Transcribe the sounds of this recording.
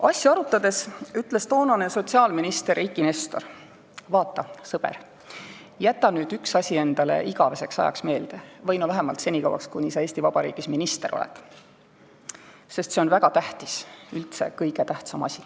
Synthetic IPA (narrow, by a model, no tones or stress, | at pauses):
ɑsʲːjɑɑɾut̪ːˑɑd̪e̞syt̪ːˑle̞st̪o̞ːnɑneso̞t̪ʲsiɑːlminist̪eɾikːˑinest̪o̞̰r | vɑːt̪ːˑɑsɤb̥e̞̰r | jæt̪ːˑɑnyːd̪yksɑsʲie̞nd̪ɑle̞̰ʔiɡɑve̞se̞ksɑ̰jɑ̰ksme̞ːld̪̥evɤjnovæɦemɑlt̪se̞nʲikɑ̰wɑ̰kskunʲisɑe̞ːst̪ivɑb̥ɑɾḭːɡ̥isminist̪e̞ɾo̞̰lɛ̰d̪̥ | se̞st̪se̞o̞nvæɡ̥ɑt̪æht̪isylt̪se̞̰kɤjɡe̞t̪æht̪sɑmɑ̰sʲi